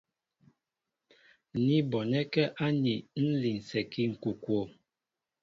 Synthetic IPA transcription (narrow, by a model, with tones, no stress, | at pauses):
ni˦bɔ˨nɛ˦kɛ˦ʔa˦ni˨n̩˦li˨n̩˨sɛ˨ki˦ŋ̩˨ku˨kwo˨